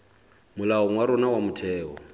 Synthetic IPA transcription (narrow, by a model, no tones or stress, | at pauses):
mʊlaɔŋwaɾɔnawamʊtʰɛːɔ